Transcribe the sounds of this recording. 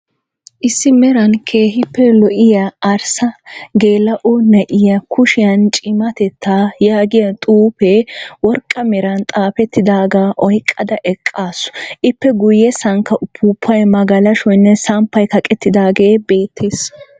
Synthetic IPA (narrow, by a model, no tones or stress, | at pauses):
ʔɪsːɪmɛɾɐnkʰeːhɪpːɛlɔʔɪjaːɾsɐɡe̞ːlɐʔɔnɐʔɪjɐkʰʊʃɪjɐnt͡ʃʼɪmɐt̪ɛt̪ʰːaːjaːɡɪjɐt̪ʼuːpewɔɾkʼːɐmɛɾɐnt̪ʼaːpɛt̪ːɪd̪aːɡaːʔɔjkʼːɐd̪ɐʔɛkʼːaːsɔ̥ʔɪpːɛɡʊjːɛsɐŋkːɐʔʊpʰːuːpʰːɐjmɐɡɐlɐʃɔjnːɛsɐmpːɐjkɐkʼɛt̪ːɪd̪aːɡeːbe̞ːt̪ʰːe̞ːs